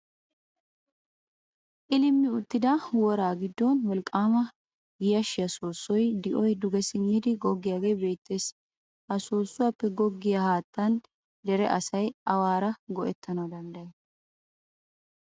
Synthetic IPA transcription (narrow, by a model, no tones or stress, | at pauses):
ʔɪlɪmːɪʊt̪ːɪd̪ɐwɔɾaːɡɪd̪ːɔnwɔlkʼːaːmɐ | ɡɪjɐʃɪjɐsoːsːɔjd̪ɪʔɔjd̪ʊɡɛsɪnːɪd̪ɪɡɔɡːɪjaːɡe̞ːbe̞ːt̪ːe̞ːs | ʔɐsoːsːʊɐpːɛɡɔɡːɪjɐhaːt̪ːɐn | d̪ɛɾɛʔɐsɐjɐwaːɾɐɡɔʔɛt̪ʰːɐnɐwd̪ɐnd̪ɐjɛ